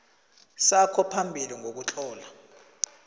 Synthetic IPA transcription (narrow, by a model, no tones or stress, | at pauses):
sakʰɔpʰambʱiliŋʱok̬ut͡ɬʼɔːla